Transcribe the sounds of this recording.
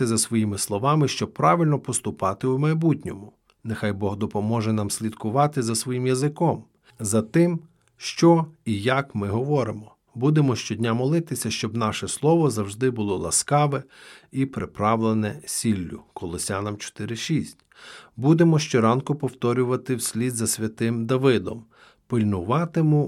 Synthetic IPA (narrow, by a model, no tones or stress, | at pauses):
ɐzɐsʋɔjimɪslˠɔʋɑmɪʃt͡ʃɔb̚pːɾɑʋɪlʲnɔpɔst̪ʊpɑt̪ɪumɐjbutʲnʲɔmʊ | nexɑjbɔɦd̪ɔpɔmɔʒɛnɑmsʲlʲid̪kʊʋɑt̪ɪzɐsʋɔjimjɐzɪkɔm | zɐt̪ɪm | ʃt͡ʃɔijɐkmɪɦɔʋɔɾɪmɔ | bud̪emɔʃt͡ʃɔdʲnʲamɔlˠɪt̪ɪsʲɐʃt͡ʃɔbnɑʃɛslˠɔʋɔzɐwʒd̪ɪbʊlˠɔlˠɐ̰skɑʋɛ | ipɾɪpɾɑʋlˠenɛsʲilʲːʊ̰kɔlˠɔsʲanɐmt͡ʃɔ̥t̪ɪɾɪʃisʲtʲ | bud̪emɔʃt͡ʃɔɾɑnkʊpɔwt̪ɔɾʲʊʋɐt̪ɪwsʲlʲid̪zɐsʲʋʲɐt̪ɪmd̪ɐʋɪd̪ɔ̰m | pɪlʲnʊʋɑt̪ɪmʊ